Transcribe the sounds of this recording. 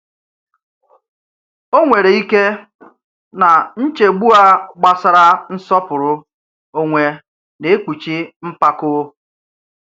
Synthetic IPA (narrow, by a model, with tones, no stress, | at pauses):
o˦ŋʷe˨ɾe˨i˦ke˦ | na˨n̩˦t͡ʃe˨ɡ͡bu˦a˦ɡ͡ba˦sa˨ɾa˦n̩˦sɔ˦pʊ˨ɾʊ˦ | o˦ŋʷe˨ | ne˨e˦k͡pu˨t͡ʃi˦m̩˦pa˦kʊ˦